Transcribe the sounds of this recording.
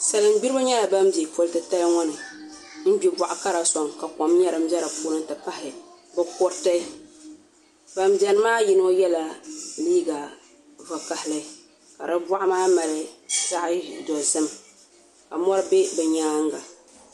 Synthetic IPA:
sa˨lɨ˨m˦ɡ͡bi˦ɾɨ˦ba˦ɲɛ˦la˨ba˦mbe˨po˨ltɨ˨ta˦lŋɔ˦nɨ˨ | m̩˦bi˦ba˨ʔʊ˨ka˦ɾa˨sɔ˨ŋka˨kɔ˨mɲɛ˦ɾɨ˨m˦bɛ˦ɾa˨puː˦ɾɨ˦n˦tɨ˨pa˦hɪ˨ | bɨ˦kʊ˦ɾta˦ | ba˨m˦bɛ˦n˦maː˦ji˦n˦o˦jɛ˦la˨liː˦ɡa˨ | va˨ka˨hɪ˦lɨ˦ | ka˨ɾɨ˦ba˦ʔmaː˦ma˨lɨ˨ʃa˦ʔɪ˦dɔ˨zɨ˦m | ka˨mɔ˦ɾɨ˦be˦bɛ˨ɲaː˦ŋ˦ɡa˨

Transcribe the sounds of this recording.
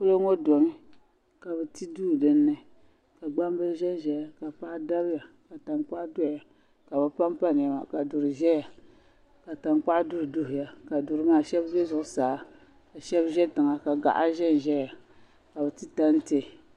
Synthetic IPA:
pu˦lo˦ŋo˦dɔ˨mi˦ | ka˨bɛ˨ti˦duː˦˨dɨ˦nːɨ˦ | ka˨ɡ͡ba˦m˦bɨ˦ʒɛ˦n˨ʒɛ˨ja˨ka˨pa˦da˦bja˨ | ka˨ta˨ŋk͡pa˦ʔdʊ˦˨ja˨ | ka˨bɨ˨pa˦mpa˦n˨ja˨ma̰˨ka˨dʊ˨ɾɨ˨ʒɛ˦ja˨ | ka˨ta˨ŋk͡pa˦ʔdʊ˦ɾdʊ˦hʊ˨ja˨ka˨dʊ˨ɾɨ˦maː˦˨ʃɛ˦bbe˦zʊ˨ʔʊ˨˦saː˨˦ | ka˨ʃɛ˦bʒɛ˦tɨ˨ŋa˨ka˨ɡa̰˨ʔa˦ʒɛ˦n˨ʒɛ˦ja˨ | ka˨bɛ˨ti˦ta˦n˦te˦˨

